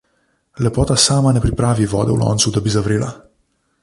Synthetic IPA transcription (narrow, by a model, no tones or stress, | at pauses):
lepot̪asamanepɾipɾavivo̰d̪eṵlo̰nsud̪əbizavɾila